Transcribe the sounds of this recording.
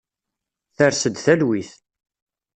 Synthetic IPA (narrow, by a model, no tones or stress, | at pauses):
θəɾsəd̪θælwiθ